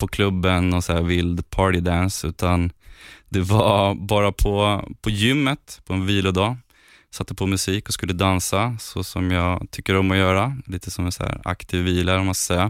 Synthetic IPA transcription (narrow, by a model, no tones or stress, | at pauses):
pʰɔkʰlɵbːənːɔnsæːɾvɪld̪pʰɑːʈɪd̪ænsʉ̟ːt̪and̪ɛvabɑːɾapʰɔpʰɔjʏmːət̪pʰɔɛnviːlʊd̪ɑː | sat̪ːəpʰɔmɵsiːkɔskɵlːəd̪ansasɔsɔmjɑːɡt̪ʰʏkːəɾɔmːɔjœːɾaliːt̪əsɔmɛnsæ̰ːɾa̰kt̪ʰiːvːiːlaɾɔmaskasɛjːa